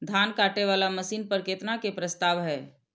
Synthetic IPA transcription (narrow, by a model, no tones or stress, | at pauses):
d̪ʱaːnkaːʈeʋaːlamɐsiːnpɐɾkeːt̪nakepɾɐst̪aːʋɦɛː